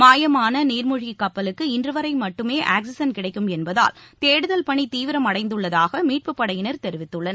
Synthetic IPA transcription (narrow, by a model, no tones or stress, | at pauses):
maːjɐmaːnɐniːɾmʊɻikːɐpːɐlɯkːɯɪndrɯʋɐɾɐɪmɐʈːɯmeːʔaːks̬ɪsɐnkɪɽɐɪkːɯmɛnbɐða̰ːlt̪eːɽɯðɐlpɐɳit̪iːʋɪɾɐmɐɽɐɪnd̪ɯɭːɐðaːɣɐmiːʈ̚pɯpːɐɽɐjɪnɐɾt̪ɛɾɪʋɪt̪ːɯɭːɐn